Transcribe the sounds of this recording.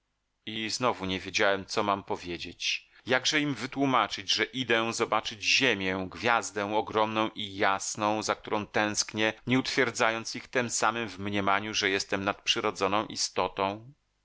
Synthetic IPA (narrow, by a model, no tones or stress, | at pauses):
iznɔvuɲɛvʲjed͡ʑawɛmt̪sɔmampɔvʲjed͡ʑet͡ɕ | jaɡʐɛimvɘt̪wumat͡ʂɘd͡ʑʐɛʔid̪ɛzɔbat͡ʂɘd͡ʑʑemʲjɛɡvʲjazd̪ɛ̃w̃ɔɡɾɔmnɔ̃w̃ʔijasnɔ̃w̃zakt̪uɾɔ̃w̃t̪ɛ̃w̃skɲɛɲɛut̪fʲjɛɾd̪zajɔnt̪sixt̪ɛmsamɘmvmɲɛmaɲuʐɛjɛst̪ɛmnat̪̚pʂɘɾɔd̪zɔnɔ̃w̃ʔḭst̪ɔt̪ɔ̃w̃